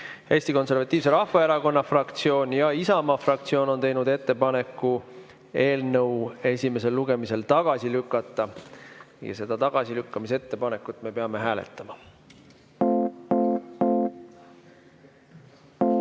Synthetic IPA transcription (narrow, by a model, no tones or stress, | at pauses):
e̞ːsʲt̪iko̞ns̬e̞rɾvɑt̪ːˑiːvse̞ɾɑhvɑeɾɑko̞nːɑfrɑkt̪sio̞ːnʲjɑisɑmɑfrɑkt̪sio̞ːno̞nt̪e̞jnud̪e̞t̪ːe̞pɑne̞kːˑu | e̞ːlnəwe̞sʲime̞s̬e̞lːuɡe̞mise̞lt̪ɑɡ̥ɑsilykːˑɑt̪ˑːɑ | jɑ̰se̞d̪̥ɑt̪ɑɡ̥ɑsilykːɑmise̞t̪ːe̞pɑne̞kːˑut̪ːˑme̞peɑme̞ɦæːlḛt̪ːˑɑmɑ